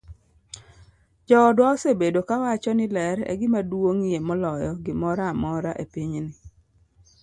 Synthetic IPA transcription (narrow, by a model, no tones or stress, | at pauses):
d͡ʒɔdwaɔsebedokawat͡ʃɔnɪlɛɾɛ̰ɡɪmadwoŋijemɔlɔjɔɡɪmɔɾamɔɾaʔepiɲnɪ